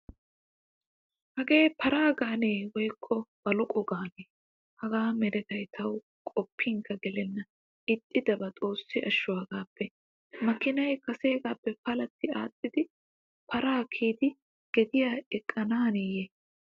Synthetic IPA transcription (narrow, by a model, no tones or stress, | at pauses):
hɐɡe̞ːpʰɐɾaːɡaːneːwɔjkʰːɔb̥ɐlɔkʼɔɡaːneː | hɐɡaːmɛɾɛt̪ɐjt̪ʰɐw | kʼɔpʰːiŋkʰɐɡɛlɛnːɐ | ɪt̪ʼːɪd̪ɐbɐt̪ʼo̞ːsːɪʔɐʃːʊwaːɡaːpːɛ | mɐkːɪnɐjkɐse̞ːɡaːpːɛpɐlɐt̪ːɪaːt̪ʼːɪd̪ɪ | pʰɐɾaːkʰiːd̪ɪ | ɡ̥ɛd̪ɪjaːɛkʼːɐnaːnɛje